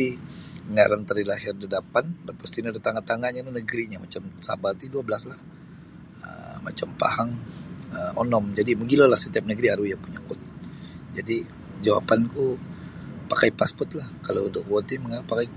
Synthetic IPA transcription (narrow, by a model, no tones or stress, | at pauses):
iəŋaɾant̪ərilaɦɪrdadapandanpəst̪inadat̪aŋat̪aŋaɲalanəɡɾiɲamat͡ʃamsa̰bat̪iduabəlaslah | ə̰ma̰t͡ʃampa̰haŋəɔnɔmd͡ʒadiməɡilalahset̪iap̚nəɡɾiaɾujaŋpuɲakʊt̪̚d͡ʒadi | d͡ʒawa̰panku | pakajpaspɔt̪lahkalaunt̪ʊkwot̪iməŋapːakaj